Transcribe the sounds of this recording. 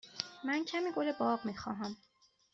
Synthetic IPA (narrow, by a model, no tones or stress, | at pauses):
mæncʰæmiːɡolebɒːɢmiːxɒːɦæm